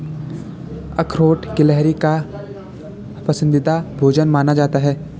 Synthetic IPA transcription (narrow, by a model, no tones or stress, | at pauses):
ɐkʰɾoːʈkɪlɛɦɾika | pɐsə̃nd̪ɪd̪abʱoːd͡ʒənmaːnad͡ʒaːt̪aɦɛː